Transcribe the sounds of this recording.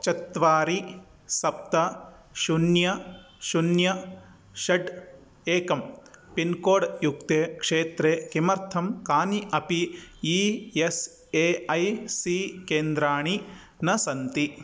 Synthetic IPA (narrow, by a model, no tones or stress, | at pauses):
t͡ʃɐt̪ʋaːɾi | sɐp̚t̪ɐ | ʃunjɐ | ʃunjɐ | ʃɐɖ | eːkɐmpinkoːɽjuk̚t̪eːkʂeːt̪ɾeːkimɐɾt̪ʰɐmkaːniʔɐpiies | eːɐjsikeːnd̪ɾaːɳ̃i | nɐsɐnt̪i